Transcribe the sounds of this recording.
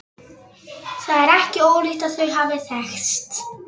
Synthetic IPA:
θaðɛɾɛhcɪoːwlʏxt̪aðθvœɥɦaːvɪθɛxst̪

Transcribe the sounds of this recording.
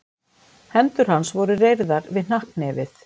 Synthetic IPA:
hɛnt̪ʏɾ̥hansvɔɾʏrejɾðaɾvɪðnahknɛːvɪθ

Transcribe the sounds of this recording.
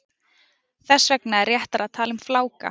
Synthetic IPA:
θɛsːvɛknaɛɾːjɛht̪aɾaðt̪ʰaːlʏmflaːwka̰

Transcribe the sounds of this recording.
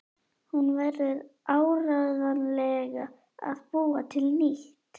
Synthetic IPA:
hunvɛɾðʏðaːwɾaɣðanlɛɣa | a̰ðpuːat̪ʰɪlniht̪

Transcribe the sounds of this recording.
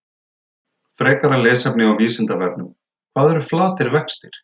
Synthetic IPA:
fɾɛːkaɾalɛːsapnɪɣawviːsɪnt̪avɛɾpnʏm | kʰvaːðɛɾʏflaːt̪ɪɾvɛkst̪ɪɾ̥

